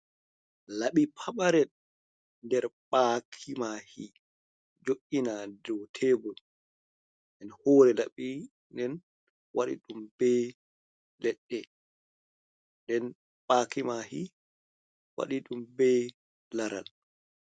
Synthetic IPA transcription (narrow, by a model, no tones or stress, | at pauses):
laɓipʰaɓaɾɛ | ndɛɾɓakʰimahi | d͡ʒoʔinadɔtʰɛbɔ | ɛnhɔːɾɛlaɓi | ndɛn | waɗḭɗumbɛ | lɛɗːɛ | dɛn | ɓakimahi | wa̰ɗiɗumbɛ | laɾa̰l